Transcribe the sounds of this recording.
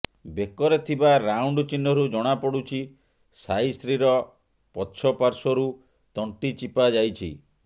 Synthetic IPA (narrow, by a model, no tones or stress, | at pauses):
bekɔɾet̪ʰibaɾawɳɖt͡ʃinːɔɾud͡ʒɔɽ̃apɔɽut͡ʃʰi | sajst̪ʰɾiɾɔ | pɔtːʃʰɔpaɾsɔɾu | t̪ɔɳʈit͡ʃipad͡ʒajt͡ʃʰḭ